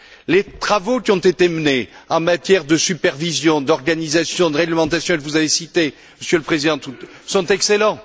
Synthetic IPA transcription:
let̪χavokʲiɔ̃t̪et̪eməneɑ̃mat̪jɛʁd̪əsypɛʁvizjɔ̃d̪ɔʁɡanizasjɔ̃d̪əʁɛɡləmɑ̃t̪asjɔ̃kəvuzavesit̪e | məsjøləpχezid̪ɑ̃t̪usɔ̃t̪ɛkselɑ̃

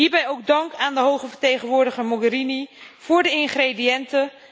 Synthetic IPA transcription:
iːɹbɛjowk̚dɑŋkaːndəɦowχəvəɹtejχənʋʊːɹdəχəɹmɔɡəɾiniv̥ʊːɹdəɪnχredijɛntə

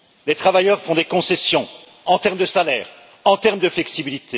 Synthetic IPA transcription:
let̪χavajœʁfɔ̃d̪ekɔ̃sɛsjɔ̃ | ɑ̃t̪ɛʁmd̪əsalɛːʁ | ɑ̃t̪ɛʁmd̪əflɛksibilit̪e

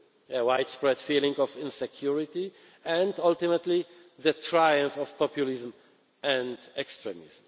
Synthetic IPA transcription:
əwajt̪spɹɛd̪fiːlɪ̃ŋɡɔvɪ̃nsɛkʰjuɹɪt̪i | ɛ̃ndʌlt̪ɪmət̪li | ðət̪ʰɾajə̃ɱfɔvpɔpjulɪzm | ɛ̃ndɛkst̪ɹɛmɪ̰zm

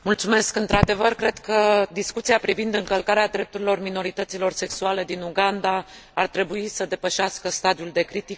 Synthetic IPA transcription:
mult̪sume̞skɨnt̪ɾad̪e̞vərkɾe̞d̪kəd̪iskut̪siapɾivind̪ɨŋkəlkaɾead̪ɾe̞p̚t̪uɾilo̞rmino̞ɾit̪ət̪silo̞rse̞ksuale̞d̪inuɡand̪a | art̪ɾe̞buisəd̪e̞pəʃaskəst̪ad̪iuld̪e̞kɾit̪ik

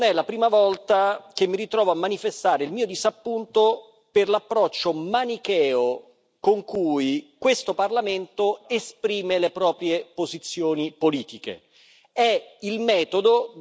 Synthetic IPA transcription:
nɛlapɾiːmavɔlt̪akemːiɾit̪ɾɔːvoamːanifest̪aːɾeilmiːod̪izapːunt̪o | perlapːɾɔt͡ʃːomanikɛːo | koŋkujkwest̪oparlament̪oespɾiːmelepɾɔːpɾjepozit̪sːjoːnipoliːt̪ikḛ | ɛilmɛːt̪od̪o

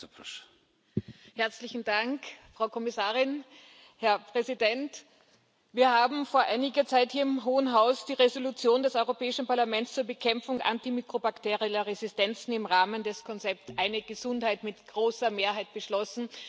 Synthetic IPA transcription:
pɔʃ | hɛɐt͡slɪçn̩d̥aŋkfʁ̥ɑʊkʰɔmɪsaːʁɪn | hɛɐpʁ̥ɛzidɛnt | viːɐhaːbm̩foːɐʔaɪnɪɡɐt͡saɪthiːɐɪmɦoːənɦaʊsd̥iːʁezolut͡sjoːndɛsɔʏʁopɛːɪʃn̩paɐlamɛntst͡suːɐbəkʰɛmp͡fʊŋʔa̰ntimikʁ̥obakteːʁiɐʁezɪstɛnt͡sn̩ɪmʁaːməndɛskʰɔnt͡sɛp̚tʔaɪnəɡəzʊnthaɪtmɪtɡ̥ʁoːsɐmeːɐɦaɪt̚b̥əʃlɔsn̩

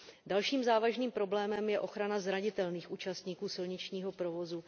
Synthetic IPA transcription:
dalʃiːmzaːvaʒniːmpɾo̞blɛːmɛmjɛʔo̞xɾanazɾaɲɪt̪ɛlniːxʔuːt͡ʃast̪ɲiːkuːsɪlɲɪt͡ʃɲiːɦo̞pɾo̞vo̞zu

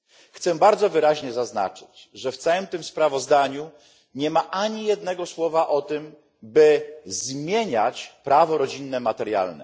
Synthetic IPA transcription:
xt̪sɛbaɾd̪zɔvɘɾaʑɲɛzazna̰t͡ʂɘ̥t͡ɕʐɛft̪sawɛmt̪ɘmspɾavɔzd̪aɲu | ɲɛmaʔaɲijɛd̪̚nɛɡɔswɔvaʔɔt̪ɘm | bɘzmʲjeɲat͡ɕpɾʔavɔɾɔd͡ʑinːɛmat̪ɛɾja̰lnɛ̰

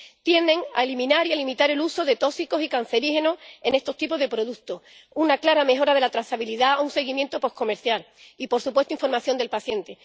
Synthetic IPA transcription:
t̪je̞nd̪e̞ŋa̰elimĩnaɾialimit̪aɾe̞luso̞ðe̞t̪o̞siko̞sikan̟θe̞ɾihe̞noe̞ne̞st̪o̞st̪ipo̞ɦðe̞pɾo̞ð̞ukt̪ohunaklaɾame̞ɦo̞ɾað̞e̞lat̪ɾaθaβiliðaunse̞ɣimje̞nt̪opo̞hko̞me̞ɾθjal | ipo̞ɾsupwest̪uiɱfo̞ɾmaθjo̞nd̪e̞lpaθje̞nt̪e̞

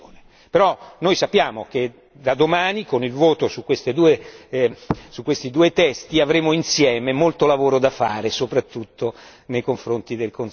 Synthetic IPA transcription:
one | peɾɔnojsapːjaːmok̟e | d̪ad̪omaːnikonilvoːt̪osukːwest̪ed̪uːe | sukːwest̪id̪uːet̪ɛst̪iavɾeːmoinsjɛːmemolt̪olavoːɾod̪afaːɾesopɾat̪ːut̪ːo | nejkoɱfɾont̪id̪elkon

